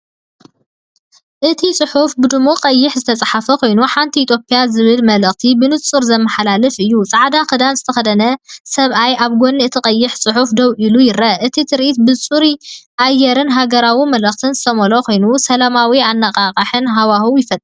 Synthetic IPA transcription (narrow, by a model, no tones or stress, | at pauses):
ʔɨt̪ʰisʼɨħufbɨd̪ɨmuqʼɐjːɪħzɨt̪ʰɐt͡sʼaħafɐkʰo̞jnuħant̪ʰiːt̪ʰjo̞pʼijazɨβɨlmɐlɐχt̪ʰibɨnɨt͡sʼuɾzɐmːɐħalalɨfʔɨjːut͡sʼaʕd̪akɨd̪anzɨt̪ʰɐxɐd̪ɐnɐsɐβʔajʔaβɡonːiɨt̪ʰɨkʼɐjːɪħt͡sʼɨħufd̪ɐwʔilujɪɾɐʔɨt̪ʰit̪ʰɨɾʔit̪̚bɨt͡sʼuɾiʔajːɛɾɨnɦaɡɐɾawimɐlɐχt̪ʰɨnzɨt̪ʰɐmolokʰo̞jnusɐlamawianːaqʼaqʼɐħɨnɦawahuwjɪfɐt̪ʼ